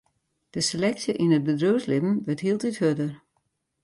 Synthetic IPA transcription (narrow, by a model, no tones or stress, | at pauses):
d̥əselɛksjəʔinət̚bədrøwslɪbn̩ʋətɦiːlˠtɪthødər